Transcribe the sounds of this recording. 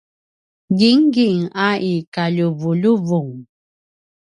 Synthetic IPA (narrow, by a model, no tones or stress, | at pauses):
ɡiŋɡiŋaʔikaʎuvuʎuvuŋ